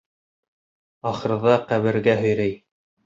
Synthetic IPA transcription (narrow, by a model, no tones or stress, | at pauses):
ɑχɤ̆ɾɤ̆ðɑqæβɘ̆ɾɡæɦɵ̆jɾæj